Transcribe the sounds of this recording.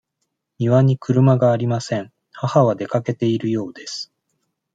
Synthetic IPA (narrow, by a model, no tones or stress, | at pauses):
mʲiβaɲ̟ikɯ̟ɾɯ̟maɡaːɾʲimasẽ̞ɴ | hahaβ̞ad̪e̞kake̞t̪e̞iɾɯ̟jo̞ːd̪e̞sɨ̥